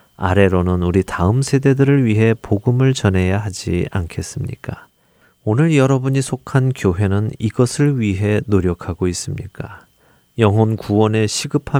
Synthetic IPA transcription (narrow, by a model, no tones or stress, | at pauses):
a̰ɾe̞ɾonɯnuɾitaɯmsʰe̞de̞dɯɾɯɭɥiɦe̞poɡɯmɯɭt͡ɕʌne̞jaɦad͡ʑḭa̰nkʰe̞s͈ɯmɲḭk͈a | onɯɭjʌɾʌbuɲisʰokʰankjoɦe̞nɯniɡʌsʰɯɭɥiɦe̞noɾjʌkʰaɡois͈ɯmɲik͈a | jʌŋɦonkuwʌne̞ɕʰiɡɯpʰa